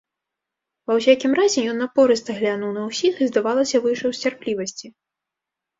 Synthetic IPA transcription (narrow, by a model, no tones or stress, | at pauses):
vɐws̬ʲakʲimrazʲɛjɔnːɐpɔɾɨst̪ɐɣlʲanuwnɐwsʲixɨzd̪avalˠɐsʲɐvɨʂɐwsʲt͡sʲarplʲivɐsʲt͡sʲi